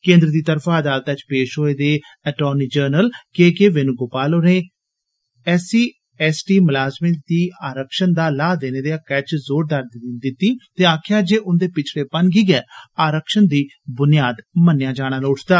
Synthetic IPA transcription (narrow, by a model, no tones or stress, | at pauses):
kẽːnd̪ɾəd̪iːt̪əɾfʰaːəd̪aːlt̪at͡ʃpeːʃɦoːeːd̪eː | ɛʈoːniːd͡ʒəːɾnəlkeːkeːʋenũːɡoːpaːloːneː | ɛːsiː | ɛːsʈiːməlaːzmeːd̪iːaːɾəkʃənd̪aːlaːd̪eːneːd̪eaːkɛːt͡ʃzoːɾd̪əɾd̪d̪ɪt̪ːiːt̪eːaːkʰɪjaːd͡ʒeːʔʊnd̪eːpɪt͡ʃʰɽeːpənɡiːɡɛːaːɾəkʃənd̪iː | bʊnɪjaːd̪mənːɪjãːd͡ʒaːɽ̃aːloːʈʰd̪aː